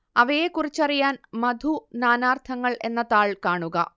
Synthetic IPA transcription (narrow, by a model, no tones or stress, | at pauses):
ɐʋɐjekurit͡ɕːɐrijaːnmɐd̪ʱunaːnaːrt̪ʰɐŋːɐɭʔe̞nːɐðaːɭkaːɳuɣɐ̰